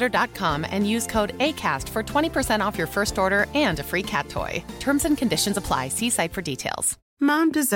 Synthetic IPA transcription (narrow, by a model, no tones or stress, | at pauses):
ɾə˞dɑt̚kʰɑ̃mɨ̰̃njʉz̥kʰoʊɾeɪkʰæ̰stfə˞tʰw̥ɛ̃ɾ̃ipʰə˞sɛ̃ɾ̃ɔfjə˞fɜ˞stɔɹɾə˞ɨ̃nɨfɹikʰæ̰tʰːɔ̰ɪtʰɜ̃˞mzɨ̃nkʰɨ̃ndɪʃɨ̃n̩zəpʰl̥a̰ɪsisaɪtfə˞ditʰeɪlˠz̥ | mɑ̃mdɨz